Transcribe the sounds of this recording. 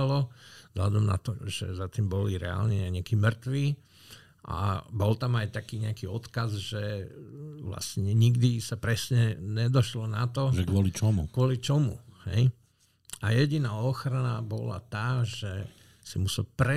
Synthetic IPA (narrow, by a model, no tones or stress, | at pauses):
lɔvz̥ɦlad̪ɔmna̰t̪ɔʒɛ̰zat̪iːmbɔliɾɛ̰a̰lɲɛɲɛakiːmr̩t̪ʋiː | ʔa̰bɔlt̪amajt̪akiːɲɛakiɔt̪kazʒɛ | ʋla̰sɲɛɲiɡd̪isapɾɛsɲɛɲɛd̪ɔʃlɔnat̪ɔʒɛkɔlit͡ʃɔmukʋɔlit͡ʃɔmṵhɛ̰j | ʔajɛɟinaːɔxɾanabɔ̰la̰t̪aːʒɛ | simusɛlpɾɛ